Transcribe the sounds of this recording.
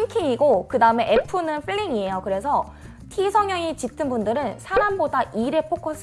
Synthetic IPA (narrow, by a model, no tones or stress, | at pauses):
ŋkʰiŋiɡokɯdaɯme̞ʔepʰɯnɯnpʰɯʎːiŋie̞jokɯɾe̞sʰʌ | tʰisʰʌŋjʌŋit͡ɕit͈ʰɯnbundɯɾɯnsʰaɾambodaʔiɾe̞pʰok͈ʰʌs͈ʰ